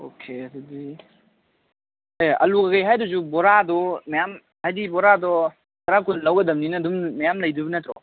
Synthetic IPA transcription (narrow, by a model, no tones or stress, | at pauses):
okʰesudi | ajɐ̰luɡaɡajɦajduzubɔɾadɔmajam | hajdibɔɾadɔ | taɾakunlawɡɐdɐmninɐːdumːɐjamlɐjdubinɐtɾɔ̰